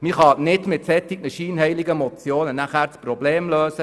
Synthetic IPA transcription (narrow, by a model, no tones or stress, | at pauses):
miχɑnɪdmɪt̪sɛt̪ɪɡ̥nəʃiːnhɛɪliɡəmɔt͡sjoːnənæχæːɾt͡sprɔbleːmløːsə